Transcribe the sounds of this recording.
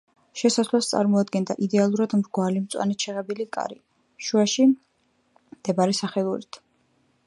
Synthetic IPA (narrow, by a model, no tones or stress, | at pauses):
ʃɛsaslˠast̪sʼa̰ɾmɔad̪ɡɛnd̪aʔid̪ɛalˠuɾad̪mɾɡwalimt̪sʼwa̰nɛt͡ʃʰɛʁɛbilikʼa̰ɾi | ʃuaʃi | md̪̥ɛbaɾisaχɛlˠuɾit̪ʰ